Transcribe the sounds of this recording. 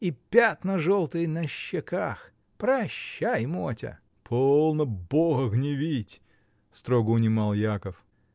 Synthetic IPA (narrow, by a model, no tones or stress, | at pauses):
ipʲat̪nɐʐolˠt̪ɨjnɐɕːɪkax | pɾɐɕːajmotʲɐ̰ | pʰollˠnəboɣəɣnʲɪvʲitʲ | st̪ɾoɡəʊnʲɪmɑlˠjakəf